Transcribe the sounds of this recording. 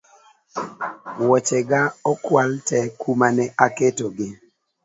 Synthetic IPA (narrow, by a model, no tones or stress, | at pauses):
wɔt͡ʃɛɡaɔkwaltɛkumanɛʔaketoɡɪ